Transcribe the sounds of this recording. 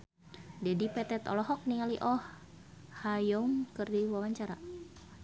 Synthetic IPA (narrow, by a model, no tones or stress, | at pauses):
d͡ʒɛdipɛt̪ɛt̪ɔ̰lɔɦɔk̚niŋaliʔɔh | hajɔŋkɨrdiwawaɲt͡ʃaɾa